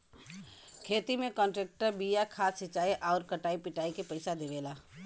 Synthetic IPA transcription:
kʰeːt̪imẽkɔ̃ːɳʈɾɛːk̚ʈəɾbiːjakʰaːsɪt͡ʃaːeʔɔːɾkɐʈaːipɪʈaːikepɐɪsad̪eːʋeːlaː

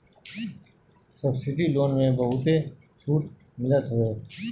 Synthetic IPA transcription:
səbsɪʈiloːnmẽbəɦʊt̪e | t͡ʃʰuːʈ | mɪlət̪ɦoeː

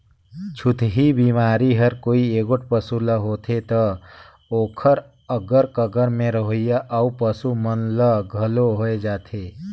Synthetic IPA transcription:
t͡ʃʰʊt̪ʰɦibiːmaːɾiɦəɾkoːieːɡoʈ̚ʰpəsuləɦoːt̪ʰet̪ɐ | oːkʰəɾ | əɡəɾkəɡəɾmẽɾəɦojaʔəupəsumənləɡʱɐloɦoːed͡ʒaːt̪ʰeː

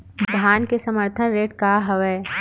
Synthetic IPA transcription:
d̪d̪ʱjaːnkesɐməɾt̪ʰənɾeːʈkaɦɐʋɛː

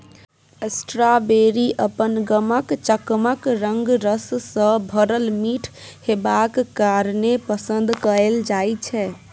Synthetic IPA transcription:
esʈɾabeɾiʔəpənɡəməkt͡ʃəkməkɾəŋɡɾəssə̃bʱəɾəlmiʈʰhebakːaɾnepəsənd̪kəeld͡ʒajt͡ʃʰɛ

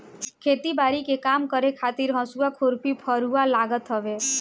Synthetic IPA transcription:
kʰet̪ibaɾikekamkəɾekʰat̪iɾɦɔ̃suakʰoɾpipʰəɾualaɡət̪ɦɔʋe

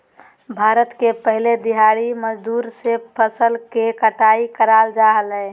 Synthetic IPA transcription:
bʱaːɾət̪kepəɦɪled̪iɦaɽiməd͡ʒd̪uːɾsepʰəsəlkekəʈaːikəɾaːld͡ʒaɦəlɦɛ̃

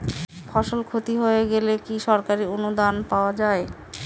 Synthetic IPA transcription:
fʰɔʃolkʰot̪iɦoeɡelekiʃɔɾkaɾionud̪anpaoad͡ʑae

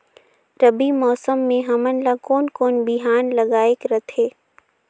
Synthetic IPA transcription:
ɾəbimɔːsəmːẽɦɐmənlakoːnkoːnbɪɦaːnlɐɡaːekɾɐt̪ʰeː

